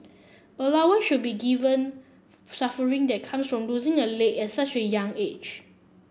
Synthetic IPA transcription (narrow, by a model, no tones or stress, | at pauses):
əlawəʃut̚biɡivə̃n | safəɹĩŋdɛt̚kʰãmsfɹɔ̃mluzĩŋəlekɛtsat͡ʃəjãŋed͡ʒ